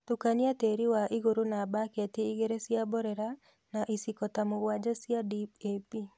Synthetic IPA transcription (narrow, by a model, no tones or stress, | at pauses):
tukanjateɾiwaʔiɣoɾonabakɛtiːɡeɾesjabɔɾɛɾa | naʔisikɔtamowad͡ʒasjadipepi